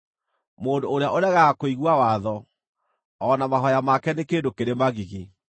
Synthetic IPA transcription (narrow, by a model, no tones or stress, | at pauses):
moːndoːɾeaʔoɾaɣaakoiɣwawaðɔ | ɔnamaɦɔjamakɛnekeːndokeɾemaɣiɣi